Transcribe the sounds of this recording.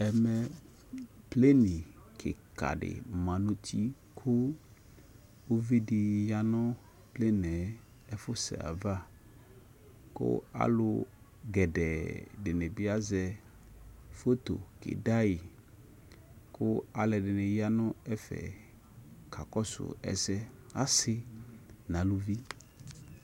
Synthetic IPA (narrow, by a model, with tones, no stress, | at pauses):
ɛ˨mɛ˨ | ple˦nĩ˨kʰɪ̰˨ka̰˨ɖɪ̰˨mã˨nũ˦tʰi˦ | kʰʊ˦ | wo˦vi˦di˨ja˦nɔ̃˦ | ple˦nɛ̃˨ | ɛ˦fʊ˦sɛ̰˨a̰˨va˦ | kʊ̰˦a̰˦lʊ˦ | ɡɛ˨ɖɛ˨ɖɪ˨nɛ̃˨bi˦a˦zɛ˦ | fo˦t̪o̰˨kḛ˨da˦ji˨ | kʰʊ˦a˨lɛ˨dɪ˨nɛ̃˨ja˦nɔ̃˦ɛ˦fɛ̰˨ | kʰa˨kɔ˦sʊ̰˨ɛ̰˨zɛ˦a̰˦sɪ˦nã˨lu˦vi˦